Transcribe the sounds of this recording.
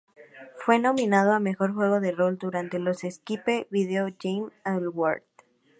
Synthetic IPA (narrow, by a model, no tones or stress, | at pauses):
fwe̞no̞mĩnað̞oame̞xo̞ɾxwe̞ɣ̞o̞ðero̞ld̪uɾant̪e̞lo̞seskipe̞βiðeoʝejmalwa̰ɾd̪